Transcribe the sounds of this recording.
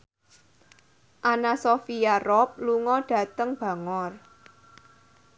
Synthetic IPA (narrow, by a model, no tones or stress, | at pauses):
ʔanasofiarɔp̚luŋɔɖ̥ä̤t̪əŋb̥a̤ŋɔr